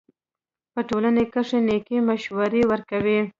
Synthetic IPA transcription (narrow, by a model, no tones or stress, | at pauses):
pəʈolanekəʂenekemaʃwaɾewəɾkawi